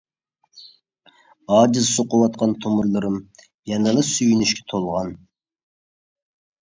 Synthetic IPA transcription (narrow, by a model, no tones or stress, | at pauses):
ɑːd͡ʒɪzsoqʊwɑt̪̚qʰɑnt̪ʰomʊɾlˠɨɾɨm | jɛnɨlˠɨsyjynyʃkʲʰɛ̥t̪ʰolˠʁɑn